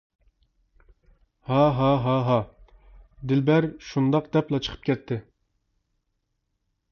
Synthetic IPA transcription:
hɑɦɑɦɑɦɑ | d̪ɪlbɛɾʃund̪ɑq̚d̪ɛplˠɑt͡ʃʰə̥qʰə̥p̚kʲʰɛt̪ʰːɪ

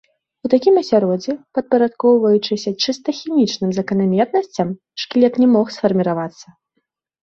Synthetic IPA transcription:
ut̪akʲimɐsʲaɾɔd͡zʲɛpɐt̪̚pɐɾat̪kɔwvɐjut͡ʂɨsʲɐt͡ʂɨst̪ɐxʲimʲit͡ʂnɨmzɐkɐnamʲɛt̪nɐsʲt͡sʲɐm | ʂklʲɛt̪nʲɛmɔxsfɐrmʲiɾavat̪sːɐ

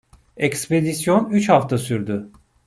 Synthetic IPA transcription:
ekspe̞d̪isjo̞nyt͡ʃhaft̪ʰasyɾd̪y

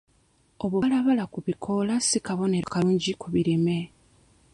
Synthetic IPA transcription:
oβolaβalakuβikʰo̞lasikaβo̞ne̞ɾakauːɲɟikuβiɾime̞

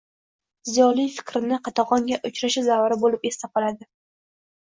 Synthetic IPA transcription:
zijɒlijfɪ̥kʲɾɪnɪqʰɑt̪ʰɑʁɒŋɡʲaʔʊt͡ʃɾaʃɪzaaɾɪbolɪpest̪ʰaqɑlad̪ɪ

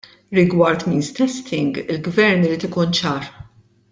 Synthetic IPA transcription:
ɾɪɡwɐɾt̪miːnst̪ɛst̪ʰɪŋɡɪlɡvɛɾnɪɾiːt̪ɪkuːnt͡ʃɐːɾ

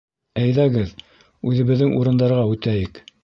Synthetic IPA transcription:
æjðæɡɘð | ʉðɘ̆βɘ̆ðːɘŋʔuɾɤ̆nd̪ɑɾʁɑʉt̪æjɘk

